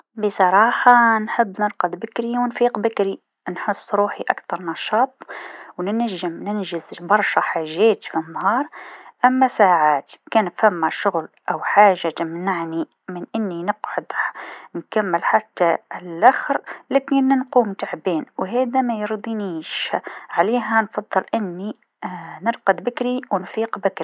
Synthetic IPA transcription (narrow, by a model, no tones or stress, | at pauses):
bəsˤɑɾˤɑːħɑnħɪbːnɨɾqɑd̪bɪkɾiwɪnfiːqbɪkɾi | nħʊsˤːɾuːħiʔakt̪ɑɾˤnɑʃɑːt̪ˤwnɪnæʒːɪmnɪnʒɪzbɑɾˤʃaħaːʒːæːt̪finːhɑːɾˤʔamːæsaːʕaːt̪kæːnfamːaʃʊɣlʔawħaːʒːat̪amnaʕni | mɪnʔɪnːinɪqʕʊd̪nkamːɪlħat̪ːalʔaxɾlækinːnquːmt̪aʕbeːnwɦeːd̪amæjɨɾˤd̪ˤiniːʃʕaleːɦænfɑðˤːɨlʔɪnːi | nɪɾqɑd̪bɪkɾiwnfiːqbɪkɾi